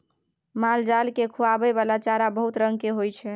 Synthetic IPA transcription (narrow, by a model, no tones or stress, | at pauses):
mald͡ʒalkekʰuabɛβalat͡ʃaɾabəɦut̪ɾəŋɡkeɦojt͡ʃʰɛ